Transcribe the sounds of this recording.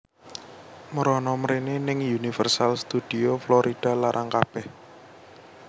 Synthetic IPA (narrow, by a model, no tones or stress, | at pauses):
məɾɔnɔməɾenenɪŋjunifərsalst̪ud̪̥ioflɔɾʔid̥a̤laɾʔaŋkab̥ɛh